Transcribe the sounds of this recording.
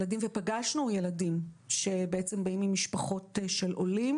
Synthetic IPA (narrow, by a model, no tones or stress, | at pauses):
ladimvepaɡaʃnuje̞ladimʃe̞beʔet͡sembaimimiʃpaχo̞tʃe̞lʔolim